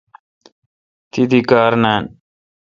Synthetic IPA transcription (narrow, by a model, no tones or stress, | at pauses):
t̪id̪ikaːɾnan